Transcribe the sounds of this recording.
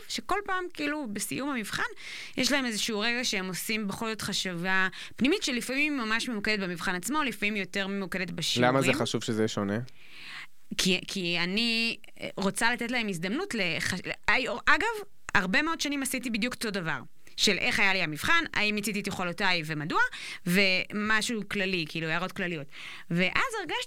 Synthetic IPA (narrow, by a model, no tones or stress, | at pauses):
vʃeko̞lpaːmkiiːlubesḭjumhamivχan | jeʃlaemezeʃuuʁeɡaʃeemo̞simbeχo̞lzo̞tχaʃiva | pnimitʃelifamimːamaʃmemukedet̚bemivχanat͡smo̞lifamimjo̞te̞ʁmemukedet̪beʃilamazeχaʃuv̥ʃezeʃone | kʰikʰiani | ʁo̞t͡salatet̬laemizd̪amnutleχaajaɡav | aʁbemeo̞dʃanimasitibid̪juktodava̰ʁ | ʃe̞lʔe̞χajaliamiv̥χana̰imjat͡sitit̪jeχolotajvemadua | ve̞maʃuklalikiilueaʁo̞tklalijo̞t | veʔazeʁɡaʃ